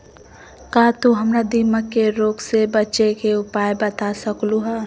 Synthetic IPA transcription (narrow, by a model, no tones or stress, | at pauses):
kaːt̪uɦɐmɾad̪ɪməkːeɾoːksebət͡ʃekeʊpaːjbɐt̪asəkluɦaː